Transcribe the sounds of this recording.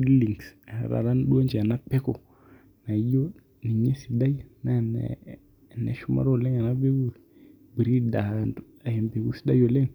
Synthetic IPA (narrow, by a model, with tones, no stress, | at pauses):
di˦li˨ŋsɾa̰˨ɾa˦nɗu˦a˦ɲd͡ʒa˨na˦pɛ˦kɔ˨ | na˨˦jo˦ | ni˨ɲe˦si˨da˦jna˦nɛ̰ | nɛ̰˨ʃu˦ma̰˦ɾɔ˦˨lɛ˦ŋa˨na˦be˦ɡu˦˨ | bi˨ɾi˦da˨nd | a˨ɛ˨mbe˨ku˦si˦da˦jo˨lɛ˦ŋ